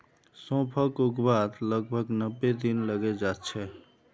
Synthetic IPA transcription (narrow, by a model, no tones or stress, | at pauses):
sõpʰəkukbad̪ləɡbʱəɡnəbːed̪inləɡɛd͡ʒat̪t͡ʃʰɛ